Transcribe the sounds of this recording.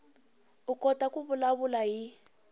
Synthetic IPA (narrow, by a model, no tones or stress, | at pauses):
ukɔtakuβulaβulaɦi